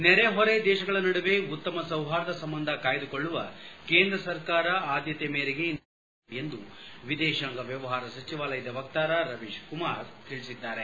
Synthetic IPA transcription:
nɛɾeɦɔɾed̪ɛːʃɐɡɐɭɐnɐɽuʋe̞ut̪ːɐmɐsɐwɦaːɾɐd̪ɐsɐmbɐnd̪ʱɐkaːjɐd̪ukoɭːuʋɐke̞ːnd̪ɾɐsɐɾkaːɾɐaːd̪jɐt̪emeːɾeɡen | end̪uʋid̪ɛːʃɐŋɡɐʋjɐʋɐɦaːɾɐsɐt͡ʃiʋaːlɐjɐd̪ɐʋɐk̚t̪aːɾɐɾɐʋiʃkumaːɾt̪iɭisid̪ːaːɾe

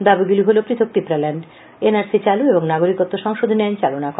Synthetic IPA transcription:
d̪abiɡuliɦolopɾit̪ʰok̚ʈ̪ipɾalɛɳɖ | enaɾsit͡ɕalueboŋnaɡoɾikot̪ːoʃɔŋʃod̪ʱnɛnt͡ɕalonakɔ

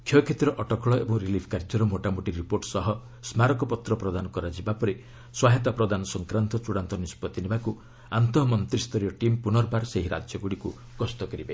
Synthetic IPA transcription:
kʰjɔkʰet̪iɾɔʔɔʈɔkɔɭɔebɔŋɾilipʰkaɾd͡ʒɔɾɔmoʈamoʈiɾːipoɾʈsɔɦɔ | smaɾɔkɔpɔt̪ɾɔpɾɔd̪anɔkɔɾad͡ʒibapɔɾi | swaɦet̪apɾɔd̪anɔsɔŋkɾant̪ɔt͡ʃuɽant̪ɔnispɔt̪inebaku | ant̪ɔɦmɔnt̪ɾist̪ɔɾijɔʈimpunɔɾbaɾseɦiɾa̰d͡ʒjɔɡuɽiku | ɡ̥ɔst̪ɔkɔɾibe

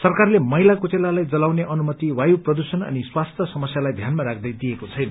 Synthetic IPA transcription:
sʌrkarlemʌɦilakot͡selalajd͡zʌlawneʔʌnumʌt̪iwajuprʌd̪usʌnʌ̰niswast̪ʰjʌsʌmʌsjalajd̪ʱjanmaɾakʰd̪ʌjd̪iekot͡sʰʌjnʌ

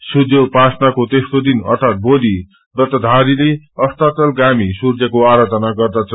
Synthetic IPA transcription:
sud͡zopasnakot̪est̪od̪inʌ̰rt̪ʰat̪̚bod̪i | rʌt̪ʌd̪ʱaɾile | ʌst̪at̪ʌlɡamisurd͡zʌkoaɾʌt͡sʌnaɡʌrd̪at͡sʰʌ

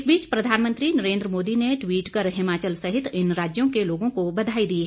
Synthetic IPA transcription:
sbiːt͡ʃpɾɐd̪ʱaːnmə̃nt̪ɾinɐɾẽːnd̪ɾəmoːd̪ineʈwiːʈkəɾɦɪmaːt͡ʃəlsɐɦɪt̪ɪnɾaːd͡ʒjõkeloːɡõkobɐd̪ʱaːid̪iːɦ

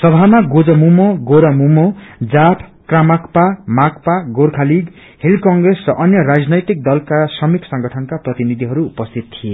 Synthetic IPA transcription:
sʌbʱamaɡod͡zʌmumoɡoɾamumod͡zapʰkramakpamak̚paɡorkʰaliɡ | helkʌŋɡresrʌʔʌnjʌɾad͡znʌjt̪ik̚d̪ʌlkasʌmiksʌ̃ŋɡʌʈʰʌnkaprʌt̪inid̪ʱiɦʌɾuːpʌst̪ʰit̪t̪ʰije

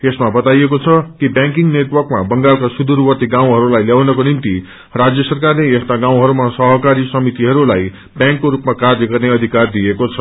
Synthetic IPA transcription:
esmabʌt̪ajekot͡sʰʌkibjãŋkiŋneʈwʌrkmabʌŋɡalkasud̪uɾwʌt̪iɡãw̃ɦʌɾulajljawnʌkonimt̪i | rad͡zjʌsʌrkarleest̪aɡãw̃ɦʌɾumasʌɦʌkaɾisʌmit̪iɦʌɾulaj | bjãŋkːoɾupmakard͡z̪jʌɡʌrneʌd̪ʱikard̪ijekot͡sʰʌ

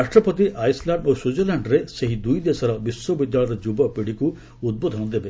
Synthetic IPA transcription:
aʃʈɾɔpɔt̪iʔajslaɳɖosud͡ʒelaɳɖɾeseɦid̪ujd̪esɔɾɔbiswɔbid̪jaɭɔɾɔd͡ʒubɔpiɽiku | ud̪̚bod̪ʱɔnɔd̪ebe

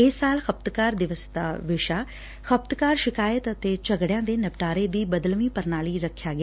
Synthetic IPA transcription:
ɪsaːlxəp̚t̪kaːɾd̪ɪʋəsd̪a̰ːʋɪʃaː | xəp̚t̪kaːɾʃɪkaːjət̪ət̪eːt͡ʃəɡɽjãːd̪eːnəpʈaːɾeːd̪iːbəd̪əlmʋiːpəɾnaːliːɾəkʰːjaːɡɪː

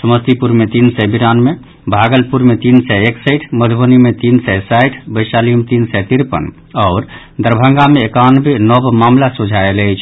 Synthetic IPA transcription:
səməst̪ipuɾmet̪insɛbiɾanme | bʱaɡəlpuɾmet̪insɛeksəjʈʰməd̪ʱbənimet̪insɛsajʈʰbəjsaliəmt̪insɛt̪iɾpə̰n | ɔːɾ | d̪əɾbʱəŋɡameːkanbʱenɔbmamlasud͡ʒʱaeləjt͡ʃʰ

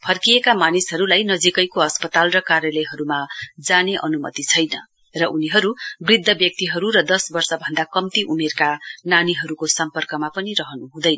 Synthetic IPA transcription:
pʰʌrkijekamanisɦʌɾulajnʌd͡zikʌjkoʌspʌt̪alrʌkarjʌlʌjɦʌɾumad͡zaneʔʌ̰numʌ̰t̪it͡sʰʌjnʌ | rʌʔuniɦʌɾubrid̪ʱːʌbjʌk̚t̪iɦʌɾuɾʌd̪ʌsbʌrsʌbʱʌnd̪akʌmt̪iʔumerkananiɦʌɾukosʌmpʌrkʌmapʌnirʌɦʌnuɦũd̪ʌjnʌ

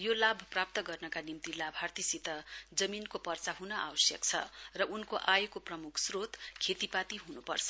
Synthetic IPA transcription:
jolabʱprap̚t̪ʌɡʌrnʌkanimt̪ilabʱart̪isit̪ʌd͡zʌminkopʌrt͡saɦunʌʔa̰wʌsjʌ̰kt͡sʰʌ̰rʌʔunkoʔajekoprʌmukʰsrot̪kʰet̪ipat̪iɦunupʌ̰rt͡sʰʌ̥

